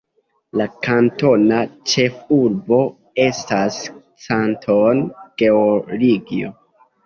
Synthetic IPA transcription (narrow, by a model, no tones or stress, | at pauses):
lakanto̞nat͡ʃe̞fuɾbo̞ | e̞stas | t͡santʰonɡ̥e̞oliɡio̰